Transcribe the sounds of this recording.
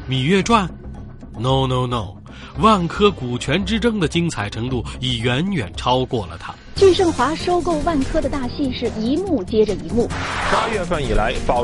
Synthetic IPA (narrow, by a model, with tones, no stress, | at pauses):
mi˨˩ɥɛ˥˧ʈ͡ʂwa˥˩n | no˥˩ʊno˥˩ʊno˥˩ʊ | wa˥˩nkʰɤ˥ku˨˩t͡ɕʰɥɛ˧˥nʈ͡ʂɻ̩˥ʈ͡ʂɤ˥ŋd̪ə˨t͡ɕi˥ŋt͡sʰa˨˩ɪʈ͡ʂʰɤ˧˥ŋt̪u˥˩i˨˩ɥɛ˧˥nɥɛ̰˨˩nʈ͡ʂʰɑ˥ʊkwɔ˥˩lə̰˩t̪ʰa˥ | t͡ɕy˥˧ʂɤ˥˩ŋxwa˧˥ʂo˥ʊko˥˧ʊwa˥˩nkʰɤ˥d̪ə˨t̪a˥˧ɕi˥˧ʂɻ̩˥˩i˧˥mu˥˩t͡ɕjɛ˥ʈ͡ʂə˨i˧˥mu˥˩pa˥ɥɛ˥˧fə˥˩ni˨˩la˧˥ɪpɑ˨˩